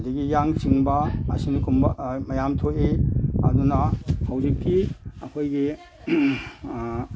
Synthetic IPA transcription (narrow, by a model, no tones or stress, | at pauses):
liɡijaŋsiŋbɐ̰ːsinikʰumbɐmɐjamtʰoʔeɐ̰dunɐhawzikkiɐkʰojɡi